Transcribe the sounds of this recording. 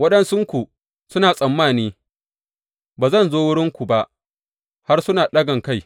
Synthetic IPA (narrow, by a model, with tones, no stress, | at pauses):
wɐ˦ɗɐ˦nsʊ˦ŋkʷu˨ | sʊ˦naː˨sʼɐ˨mːaː˦˨niː˦ | baː˨zɐ˦˨nzoː˦wʊ˦ɽɪ˦ŋkʷu˨ba˦ʔ | ha˦rsʊ˦naː˨ɗɐ˦ɡɐ˨ŋka˦j